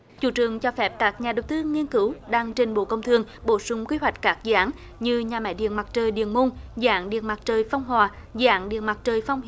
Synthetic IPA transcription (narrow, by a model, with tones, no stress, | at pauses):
t͡ɕṵ˧˥t͡ɕɨ˨˩əŋt͡ɕɔ˧fɛ˦˥p̚kaː˦˥k̚ɲaː˨˩ɗə˨˩wt̪ɨ˧ŋi˧ənkɨ˧˦wɗaː˧ŋt͡ɕi˨˩ŋ̟ɓo̰˧˨kə˧wŋ͡mt̪ʰɨ˨˧˩əŋɓo˧˩sʊ˧ŋ͡mkwi˧ɦwa˨˩jk̟̚kaː˦˥k̚zaː˨˦n | ɲɨ˧ɲaː˨˩mɛ̰˧˥ɗḭ˧˨ənma˨˩t̚t͡ɕəː˨˩jɗḭ˧˨ənmo˧nza̰ː˧˥ŋɗḭ˧˨ənma˨˩t̚t͡ɕəː˨˩jfa˧wŋ͡mɦwaː˨˩za̰ː˧˦nɗḭ˧˨ənma˨˩t̚t͡ɕəː˨˩jfa˧wŋ͡m